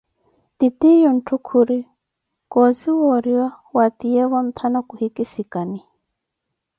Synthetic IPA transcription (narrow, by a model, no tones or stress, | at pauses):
t̪it̪ijɔn̩tʰukʰuɾi | kɔziwɔɾiwa | wat̪iɛwam̩t̪ʰanakuhikisikani